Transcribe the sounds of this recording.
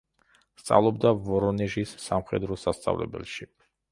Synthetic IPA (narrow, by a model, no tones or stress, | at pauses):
st̪sʼa̰vlˠɔb̚d̪avɔɾɔnɛʒisːamχɛd̪ɾɔsast̪sʼa̰vlɛ̰bɛ̰lˠʃi